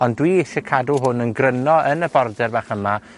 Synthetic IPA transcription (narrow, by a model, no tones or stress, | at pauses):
ɔndwiɪsɛkʰadʊɦʊnənɡrənɔənəbɔrdɛrbaːχəma